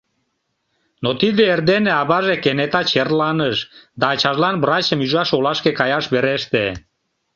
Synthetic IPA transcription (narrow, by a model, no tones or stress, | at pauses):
not̪id̪eerd̪eneɑβɑʒekenet̪ɑt͡ɕerlɑnəʃd̪ɑːt͡ɕɑʒlɑnbrɑt͡ɕəmyʒɑʃolɑʃkekɑjɑʃβeɾeʃt̪e